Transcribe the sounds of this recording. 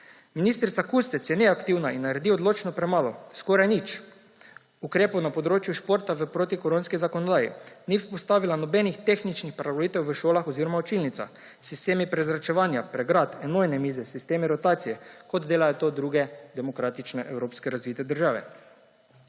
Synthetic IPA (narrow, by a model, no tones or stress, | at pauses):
minist̪ɾit̪sakust̪ɛt̪sjɛnɛakt̪iwnainːaɾɛd̪iɔd̪loːt͡ʃnɔpɾɛmaːlɔskoɾajnit͡ʃ | ukɾeːpownapoɔd̪ɾoːt͡ʃjuʃpoːɾt̪aʋəpɾot̪ikoɾoːnskizakoɔnɔd̪aːjḭnispɔst̪aːʋilanɔbɛnixt̪exnit͡ʃnixpɾaʋolit̪ɛwʋəʃoːlaxɔziɾomaot͡ʃilnit̪sa̰ | sist̪eːmipɾɛzɾat͡ʃɛʋaːnjapɾɛɡɾat̪ɛnoːjnɛmiːzɛsist̪eːmiɾot̪aːt̪sijɛkod̪d̪eːlajot̪od̪ɾuːɡɛd̪ɛmokɾaːt̪it͡ʃnɛʔɛwɾoːpskɛɾazʋiːt̪ɛd̪əɾʒaːʋɛ̰